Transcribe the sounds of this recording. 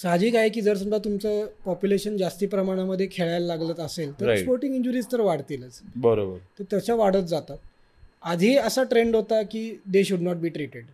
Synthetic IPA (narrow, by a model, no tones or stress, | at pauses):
sad͡ʑiːkajkiːd͡zəɾs̬umbat̪umt͡səpɔpjuleɕənd͡zast̪iːpɾəmaɽ̃aməd̪ʱːjekʰeɭajlːaɡlət̪əselt̪əɾspoɾʈĩŋɡiɲd͡ʑuɾiːst̪əɾʋaɽt̪ilət͡sbəɾobəɾt̪əɾt̪jat͡ɕaʋaɽ̤ət̪d͡zat̪at̪̚ | ad̪ʱiəsaʈɾeɳɖɦot̪akiːd̪eɕuɖnɔʈ̚biːʈɾiʈeɖ